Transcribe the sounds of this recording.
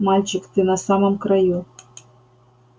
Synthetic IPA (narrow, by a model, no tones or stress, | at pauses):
mɑlʲt͡ɕikt̪ɨnasɑmomkraju